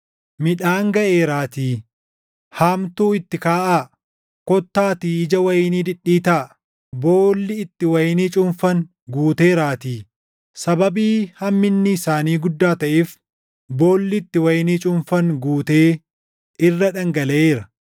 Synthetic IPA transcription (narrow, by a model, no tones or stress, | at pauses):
mɪᶑaːŋɡɐʔeːɾaːt̪iː | haːmt̪uːɪt̪ːɪkaːʔaː | kɔt̪ːaːt̪iːɪd͡ʒɐwɐjniːd̪ɪᶑːiːt̪aː | bo̞ːlːɪɪt̪ːɪwɐjniːt͡ʃʼʊmfɐŋ | ɡuːt̪e̞ːɾaːt̪iː | sɐbɐbiːhɐmːɪnːɪːsaːniːɡʊd̪ːaːt̪ɐʔef | bo̞ːlːɪt̪ːɪwɐjniːt͡ʃʼʊmfɐŋɡuːt̪eː | ɪrːɐᶑɐŋɡɐlɐʔeːɾɐ